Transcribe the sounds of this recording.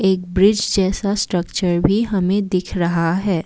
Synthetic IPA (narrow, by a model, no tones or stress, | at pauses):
eːk̚bɾɪd͡ʒd͡ʒɛːsasʈɾəkt͡ʃəɾbʱiɦɐmẽd̪ɪkʰɾɐɦaɦɛː